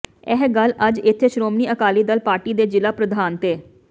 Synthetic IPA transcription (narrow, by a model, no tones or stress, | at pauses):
ɛɦɡələd͡ʒɪt̪ʰːeːʃɾoːmniːʔəkaːliːd̪əlpaːɾʈiːd̪eːd͡ʒɪlaːpɾəd̪ʱaːnt̪eː